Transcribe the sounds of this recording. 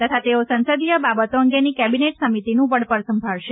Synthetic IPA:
t̪ət̪ʰat̪eosə̃nsəd̪ijəbabət̪oəŋɡenikɛbineʈsəmit̪inũʋəɽpəɾsəmbʱəɭʃe

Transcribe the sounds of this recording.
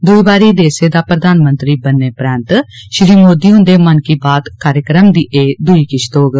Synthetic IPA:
d̪ʊiːbaːɾiːd̪eːseːd̪aːpɾəd̪aːnmənt̪ɾiːbənːeːpɾɛ̃ːnt̪ʃɾiːmoːd̪iːʊ̃nd̪eːmənkiːbaːt̪kaːɾjəkɾəmd̪iːʔeːd̪ʊiːkɪʃt̪oːɡ

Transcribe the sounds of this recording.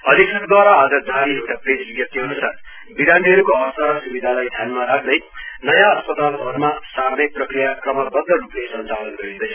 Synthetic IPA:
ʌd̪ʱikʌkd̪waɾaːd͡zʌd͡zaɾiewʈapred͡zbjʌk̚t̪iɦʌnusar | biɾanɖiɦʌɾukoʌst̪aɾʌsubid̪ʱalajd̪ʱjanmaɾak̚ʰd̪ʌjnʌjãʌspʌt̪albʱʌɾmasarmek̚prʌkrijakrʌmʌbʌd̪ʌɾuplesʌnt͡salʌnɡʌjed̪ʌjt͡sʰʌ̥

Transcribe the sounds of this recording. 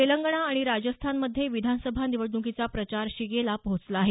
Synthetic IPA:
eləŋɡɳ̃aːɽ̃iɾad͡ʑəst̪ʰanməd̪ʱːjeʋid̪ʱansəbʱaniʋəɖukit͡sapɾət͡ɕaɾɕiɡelapɦot͡slaːɦe

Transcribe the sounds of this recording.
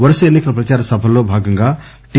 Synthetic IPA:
ʋɐɾɐsɐenːikɐlɐpɾɐt͡ʃaːɾɐsɐbʱɐlːoːbʱaːɡɐŋɡaː | ʈ

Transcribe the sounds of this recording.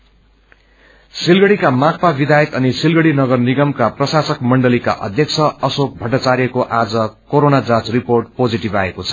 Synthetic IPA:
silɡʌɽikamak̚pabid̪ʱajʌk̪ʌnisilɡʌɽinʌɡʌrniɡʌmkaprʌsasʌkmʌɳɖʌlika̰ʔʌ̰d̪ʱjʌk̚t͡sʰʌʌsok̚bʱʌʈːʌt͡saɾjʌkoʔad͡zʌkoɾonad͡zãt͡sriporʈ̚pod͡ziʈibaekot͡sʰʌ̥

